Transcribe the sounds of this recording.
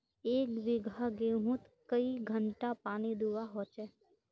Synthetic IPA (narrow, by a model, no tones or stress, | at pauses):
eːkʋɪɡʱaɡeːɦʊ̃t̪kəiɡʱə̃ɳʈapaːnid̪uʋaɦoːt͡ʃɛ